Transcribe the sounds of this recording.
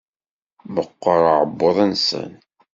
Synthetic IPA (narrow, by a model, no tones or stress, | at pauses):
məqːəɾˤəʕəbːoðˤænsə̰n